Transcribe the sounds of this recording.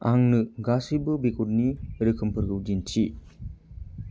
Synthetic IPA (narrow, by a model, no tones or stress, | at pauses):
aŋnɯɡasibɯbikutniɾɯkʰɯmpʰɯɾɡɯwd͡ʒintʰi